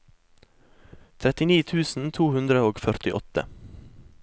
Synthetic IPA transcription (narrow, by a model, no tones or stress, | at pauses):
t̪ʰɾɛt̪ɪniːt̪ʰʉːsn̩t̪ʰuːhʉnd̪ɾəoːɡfœɾt̪ɪʔɔt̪ə̰